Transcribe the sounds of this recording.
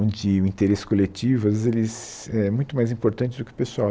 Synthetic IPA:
d͡ʒɪʊĩt̪eɾesɪ̥skolet͡ʃivʊɐzelɪz | ɛɛmũj̃t̪ʊmajzĩpoɾt̪ɐ̃nt͡ʃɪd̪ʊkɪʊpesua

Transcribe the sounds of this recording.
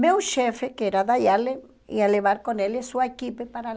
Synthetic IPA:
mewʃɛfekɛɾaðaʎale | ḭaleβaɾkonelɪsuɐekipepaɾa

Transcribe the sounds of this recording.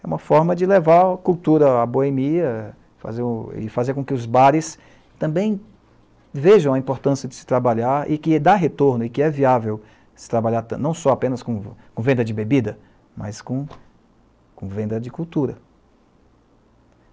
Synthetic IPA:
ɛũmɐfɔɾmɐd͡ʒɪlevaɾkuwt̪uɾɐaboemiɐ | fa̰zeɾuɪ̰fazeɾkõkɪʊzbaɾɪs | t̪ɐ̃bẽj̃ | veʒɐ̃w̃ɐĩpoɾt̪ɐ̃siɐd͡ʒɪsɪ̥t̪ɾabaʎaɾɪkɪd̪aɦet̪oɾnʊɪkɪɛviavew | sɪ̥t̪ɾabaʎaɾt̪nɐ̃w̃sɔapẽnɐskõkõvẽd̪ɐd͡ʒɪbebid̪ɐ | mɐ̰skõ | kõvẽnd̪ɐd͡ʒɪkuwt̪uɾɐ

